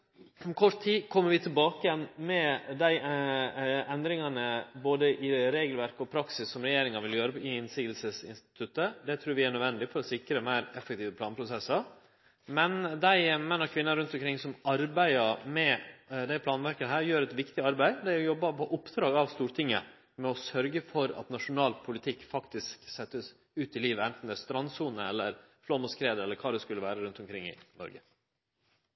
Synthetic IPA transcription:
kʰɔʂʈ̪ʰiːkʰɔmːəɾʋɪt̪ʰɪlbɑːkəjɛnmɛd̪æɪ | ɛnd̪ɾɪŋɑnəboːd̪əʔɪɾeːɡəlʋæɾkɔpʰɾɑksɪsːɔmɾɛjeːɾɪŋɑʋɪljøːɾəɪɪnsɪːɡ̪lsəsɪ̰nst̪ɪ̥t̪ʰʉt̪ːəd̪ɛt̪ʰɾʉːɾʋɪæɳœd̪ʋɛnd̪ɪfɔɾɔsɪkːɾəmæɪɾɛfːəkt̪iːʋəpʰlɑːnpʰɾʊsɛsːɑɾ | mɛnd̪æɪmɛnːɔkʰʋɪnːəɾʉnt̪ɔmkʰɾɪŋːsɔmɑɾbæɪəɾmɛd̪æɪpʰlɑːnʋæɾkəɦæːɾjøːɾɛt̪ʋɪkt̪ɪɑɾbæɪd̪æɪɔjɔbːɑpʰɔʔʊpd̪ɾɑːɡɑʋst̪uːɾt̪ʰɪŋːə | mɛɔsœɾɡəfɔɾɑ̰t̪nɑʂʊnɑːlpʰʊlɪt̪ʰɪkːfɑkt̪ɪsksɛt̪ːəs | ʉːt̪ɪliːʋəɛnt̪n̩d̪ɛst̪ɾɑnsuːnəɛlːəɾ | flɔmʊskʰɾeːd̪əɛlːəɾkʰɑːd̪ɛskʉlːəʋæːɾəɾʉnt̪ʊmkʰɾɪŋːɪ̰nɔ̰ɾɡə

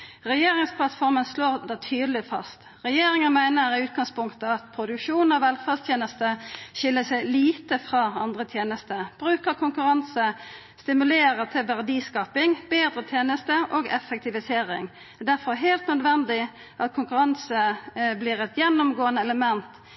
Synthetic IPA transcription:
ʁɛjeːʁɪŋspʰlɑt̪fɔʁmənsloːʁd̪ɛt̪ʰyːd̪əlɪfɑ̰st̪ | ʁɛjeːɾɪŋənmæɪnəɾɪʉːt̪̚ɡɑŋspʰʊŋkt̪əɑt̪̚pʰɾʊd̪ʉkʂuːn̩ɑʋɛlfɑst̪ʰjeːnəst̪əʃɪlːəsæɪliːt̪əfʁɑːɑ̰nd̪ʁət̪ʰjeːnəst̪əb̥ʁʉːkəʁkʰʊŋkʉʁɑnsə | st̪ɪmʉleːʁət̪ʰɪlʋæʁd̪iːskɑːpɪŋbeːd̪ʁət̪ʰjeːnəst̪əʔoɡɛfːɛk̚t̪ɪʋɪseːʁɪ̰ŋ | ɛd̪æʁfɔɦeːlt̪nœd̪ʋɛnd̪ɪ | ʔɑt̪̚kʰʊŋkʉʁɑnsəbliːʁɛt̪jɛnːʊmɡoːənəɛləmɛnt̪

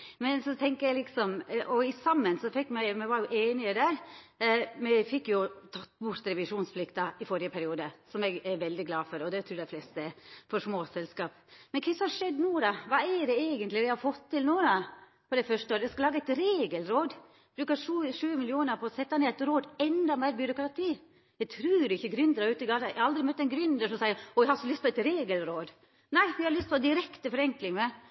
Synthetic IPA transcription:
mɛnsɔt̪ʰɛŋkəɾjæɪlɪksɔmʔɔɪsɑmːənsɔfɛkːmɛɪmɛʋɑɾjʊʔeːnɪəd̪æɾ | mɛfɪkːjʊt̪ʰɑt̪ːbʊɾt̪ɾɛʋɪʂuːnspʰlɪkt̪ɑɪfɔɾɪəpʰæɾɪuːd̪əsɔmɛɡɛɾʋɛld̪ɪɡlɑːfɔɾɔd̪ɛt̪ʰɾʉːd̪ɛflɛst̪əɛɾfɔʂmoːsɛlskɑːpmɛnkʰɛsɔmhɑʂɛd̪ːnuːd̪ɑʋɑːɛɾɖɛeːɡənt̪lɪʋɪhɑɾfɔt̪ʰːɪlnuːd̪ɑ | pʰɔd̪ɛɪfœʂtəoːɾd̪jɛskɑlɑːɡɑæɪt̪ɾeːɡəlɾoːd̪ | b̥ɾʉːkɑʂʉːʂʉːəmɪlɪuːnəɾpʰɔɔsɛt̪ːɑneːæɪt̪ɾoːd̪ɛnd̪ɑmæɪɾbjʏɾʊkɾɑt̪ʰiː | jæt̪ʰɾʉːɾɪçːəɡɾʏnd̪əɾɑɾʉːt̪ɪɡɑːt̪ɑæɑld̪ɾɪmœt̪ːɛnɡɾʏnd̪əʂɔmsæɪəɾɔæɪhɑɾɪçəlʏst̪pɔæɪt̪ɾeːɡəlɾoːd̪ | næɪʋɪhɑɾlʏst̪̚pʰɔd̪ɪɾɛkt̪əfɔɾɛŋklɪŋə

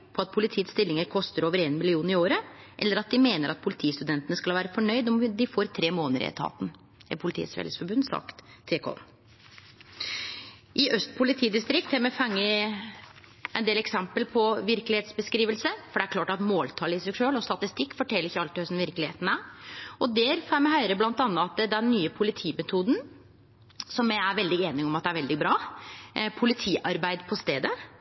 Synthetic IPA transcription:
pʰɔɑt̪̚pʰʊlɪt̪ʰiːət̪st̪ɪlːɪŋəɾkʰɔst̪əɾoːʋəɾeːnmɪlɪuːnɪoːɾəʔɛlːəɾɑt̪̚d̪ɪmeːnəɾʔɑt̪̚pʰʊlɪt̪ʰiːst̪ʉd̪ɛnt̪ənəskɑlhɑʋæːɾəfɔɳœʏd̪ɔmd̪ɪfoːɾt̪ʰɾeːmoːnəɾ̰ɛ̰t̪ʰɑ̰ːt̪n̩ | ɪ̰pʰʊlɪt̪ʰḭːsfḛːləsfɔɾbʉnd̪sɑ̰kt̪ʰːeːkʰɔ̰n | ʔɪʔœst̪̚pʰʊlɪt̪ʰiːd̪ɪst̪ɾɪk̚t̪hæɾmɛfɑŋːə | ʔɛnd̪eːlɛksɛmpəlpʰɔʋɪɾklɪheːt̪sbəskɾiːʋəlsəfɔɖɛæɾkʰlɑːʈɑt̪moːlt̪ʰɑːləɪsɛɡʂøːlɔst̪ɑt̪ɪst̪ɪkːfɔʈʰɛləɾɪçːəɑlt̪ɪhœsnʋɪɾklɪhḛːt̪n̩æɔd̪ɛːɾfæmɛɦœɪɾəblɑnt̪ɑnːəɑt̪d̪ɛnːyːəpʰʊlɪt̪ʰiːmɛt̪ʰuːd̪n̩ | sɔmjæɪæɾʋɛld̪ɪeːnɪɔmɑt̪d̪ɛæɾʋɛld̪ɪbɾɑː | pʰʊlɪt̪ʰiːʔɑɾbæɪd̪pʰɔst̪ḛːd̪ə

